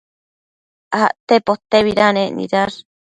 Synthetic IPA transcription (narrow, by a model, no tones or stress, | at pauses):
aʔt̪epot̪eβiɾaneʔnḭɾaɾ